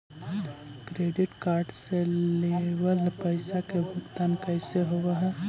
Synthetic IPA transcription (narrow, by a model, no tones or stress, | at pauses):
kɾeːɖɪʈkaːɾɖsellewəlpəɪsakebʱukt̪aːnkəɪseɦowaɦ